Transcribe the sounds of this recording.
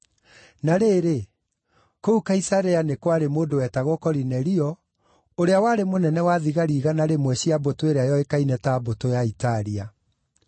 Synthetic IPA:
naɾeːɾe | koukaisaɾeanekwaɾemoːndowɛtaɣokɔɾinɛɾiɔ | oɾeawaɾemonɛnɛwaðiɣaɾiːɣanaɾemwɛɕiabotoeɾeajɔekainɛtabotojaitaɾia

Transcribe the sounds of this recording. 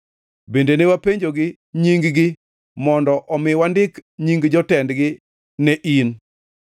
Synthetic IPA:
bendenewapeɲd͡ʒoɡɪ | ɲiŋɡɡɪ | mɔndɔʔɔmɪwandɪkɲiŋɡd͡ʒɔtɛndɡɪ | neʔin

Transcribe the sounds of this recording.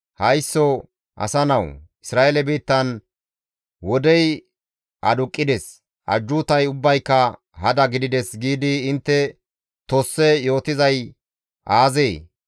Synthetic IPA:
hɐjsːɔ | ʔɐ̰sɐnɐwʔɪsɾaːʔelɛbiːt̪ːɐn | wɔd̪ɛj | ʔɐ̰d̪ʊkʼːɪd̪ɛs | ʔɐ̰d͡ʒːuːt̪ɐjʊbːɐjkːɐ | hɐd̪ɐɡɪd̪ɪd̪ɛsɡiːd̪ɪːnt̪ːɛ | t̪osːɛjo̞ːt̪ɪzɐj | ʔaːzeː

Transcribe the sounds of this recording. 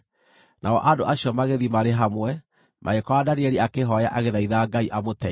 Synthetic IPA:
nʔaɔ̰ʔadoʔaɕjɔmaɣeðimaɾeɦamwɛ | mʔa̰ekɔwadaɾeeɾiakeɦɔjaʔaɣeðaiðaɡaiʔamotɛ

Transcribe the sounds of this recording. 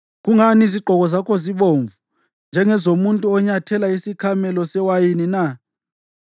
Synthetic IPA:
ɣuŋaniziɡ͡ǃʱɔɣɔzakʰoziɓoɱvu | nd͡ʒʱɛŋɛzomuntʼuɔɲatʰɛlaisikʰamɛlɔsɛwajinina

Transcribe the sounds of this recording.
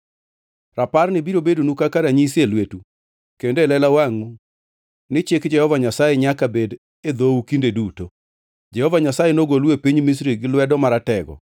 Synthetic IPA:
raparnɪbiɾobedonukakaɾaɲiselwetu | kendlɛlawaŋu | nɪt͡ʃjekd͡ʒɛhɔvaɲasajeɲakabed | ed̪oukindeduto | d͡ʒɛhɔvaɲasajenoɡolwepiɲmis̬ɾiɡɪlwɛdɔmaɾatɛɡɔ̰

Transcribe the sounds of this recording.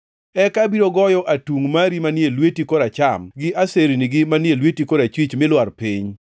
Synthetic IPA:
ɛkabiɾoɡɔjɔʔatuŋmaɾimanjelwetikoɾat͡ʃamɡɪʔaseɾiniɡɪmanjelwetikoɾat͡ʃwit͡ʃmɪlwarpiɲ

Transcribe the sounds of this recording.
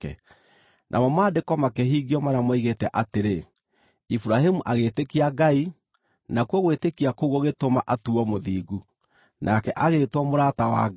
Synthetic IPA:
ɛ̰ | nʔa̰mɔmaːdekɔmakɛɦiːɡiɔmaɾamwaiɣetɛʔateɾe | ifuɾaɦimuʔaɣetekiaɡai | nakuɔɣwetekiakoɣoɣetomaʔatuɔmoðiːɡu | nʔakɛʔaɣetwɔmoɾatawa̰

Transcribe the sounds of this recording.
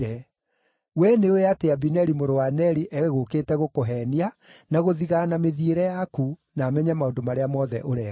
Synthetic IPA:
ɛ | wɛneoeateabinɛɾimoɾowanɛɾiʔɛɣeɣokeːtɛɣokoɦɛːnia | naɣoðiɣanameðieɾɛjakunaːmɛɲamaondomaɾeamɔðɛ̰ʔoɾɛ

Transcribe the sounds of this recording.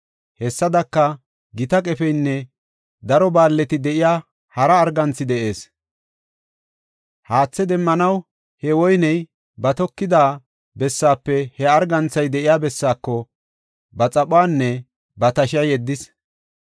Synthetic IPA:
hɛsːɐd̪ɐkːɐ | ɡɪt̪ɐkʼɛfɛjnːɛ | d̪ɐɾɔbaːlːɛt̪ɪd̪ɛʔɪjaː | hɐɾɐːɾɡɐnt͡sːɪd̪ɛʔe̞ːs | haːt͡sːɛd̪ɛmːɐnɐw | hɛwɔjnɛj | bɐt̪ɔkːɪd̪aː | bɛsːaːpːɛhɛɐɾɡɐnt͡sːɐjd̪ɛʔɪjaːbɛsːaːkːɔ | bɐt͡sʼɐpʼʊwaːnːɛ | bɐt̪ɐʃɐjɛd̪ːɪs

